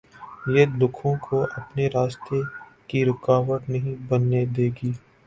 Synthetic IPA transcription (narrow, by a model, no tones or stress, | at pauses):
jed̪ʊkʰõkʰoʔɐpneɾaːst̪ekiɾɪkaːʋəʈ̪nɐɦĩbɐnːed̪eːɡiː